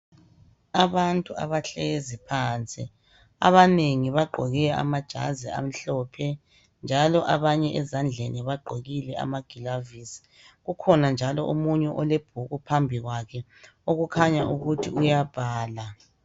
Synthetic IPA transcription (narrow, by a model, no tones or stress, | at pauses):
aβantʼua̰βaɬezipʰaːnt͡sʼi | a̰βaneŋiβaɡ͡ǃʱɔɣɛa̰mad̥ʒ̥ʱa̰zia̰m̩ɬɔpʰɛ | nd͡ʒʱalɔʔaβaɲɛʔɛzand͡ɮʱeniβaɡ͡ǃʱoɣilɛa̰maɡ̥ʱilavisi̥ | ɣukʰɔnand͡ʒʱalɔʔomuɲɛʔɔleb̥ʱuɣupʰambʱiɣwakʰɛ | oɣukʰaɲaʔuɣutʰḭujab̥ʱaːla